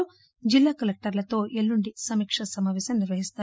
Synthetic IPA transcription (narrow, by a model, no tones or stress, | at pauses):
u | d͡ʒilːaːkɐlek̚ʈɐɾlɐt̪o̞ːʔelːuɳɖisɐmiːkʂɐsɐmaːʋɛːsɐmniɾʋɐɦist̪aː